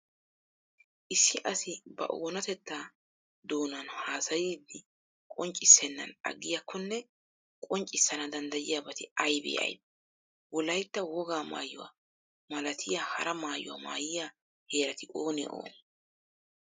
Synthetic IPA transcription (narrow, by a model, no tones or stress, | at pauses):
ʔɪsːɪʔɐsɪbɐ̰ʔoːnɐt̪ɛt̪ːaː | d̪o̞ːnɐnhaːsɐjiːd̪ːɪ | kʼɔnt͡ʃʼɪsːɛnːɐ̰nɐ̰ɡɪjakʰːɔnːɛ | kʼɔnt͡ʃʼɪsːɐnɐd̪ɐnd̪ɐjɪjaːbɐt̪ɪɐjbḛːʔɐ̰jd̪̚ | wɔlɐjt̪ːɐwɔɡaːma̰ːjʊwa̰ | mɐlɐt̪ʰɪjaːhɐ̰ɾɐmaːjʊ̰wa̰ːma̰ːjɪjaː | he̞ːɾɐt̪ɪʔoːnɛ̰ʔo̰ːn